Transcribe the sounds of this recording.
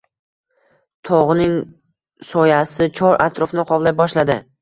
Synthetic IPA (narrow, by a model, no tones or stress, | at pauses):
t̪ʰɒʁnɪŋ | sɒjasɪt͡ʃʰɒɾʔa̰t̪ʰɾɒfnɪqʰɒblajbɒʃlad̪ɪ